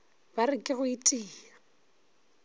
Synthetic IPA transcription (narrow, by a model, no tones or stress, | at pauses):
b̥arɪkʼɪɣʊitʼiːla